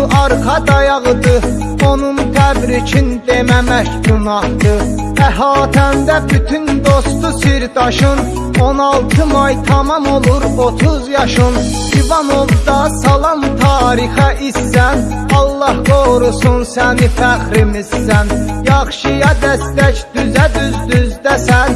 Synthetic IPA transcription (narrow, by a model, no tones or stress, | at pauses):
ʔɑɾqɑd̪ɑjɑʁɯd̪ɯ | onund̪æbɾit͡ʃʰind̪e̞mæmæçd̪unɑhd̪ɯ | væɦɑːt̪ʰænd̪æbyt̪ʰynd̪ost̪usiɾd̪ɑʃɯn | onɑlˠt̪ʰɯmɑjt̪ʰɑmɑmolˠuɾbot̪ʰuzjɑʃɯn | ivɑnovd̪ɑsɑlˠɑmt̪ʰɑːɾixæʔisːæn | ɑlˠːɑhɡoɾusunsænifæχɾimisːænjɑχʃɯjɑd̪æst̪æçd̪̥yzæd̪yzd̪yzd̪æsæn